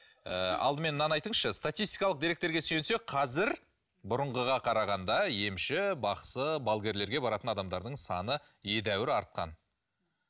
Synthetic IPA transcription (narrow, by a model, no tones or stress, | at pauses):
ə̰ɑ̰lˠd̪əme̞nːɑnɑjt̪əɴʃəst̪at̪ijst̪ijkɑlˠəqd̪iɾek̚t̪eɾɡʲe̞sense̞qʰɑzɪɾ | bʊɾʊəɴʁəʁɑqʰɑɾɑʁɑnd̪ɑje̞mʃɪbɑqsəbalˠɡʲe̞ɾle̞ɾɡʲe̞bɑɾɑt̪ənɑd̪ɑmd̪ɑɾd̪əɴsɑnə | je̞d̪æwɪɾɑɾt̪̚qɑ̰n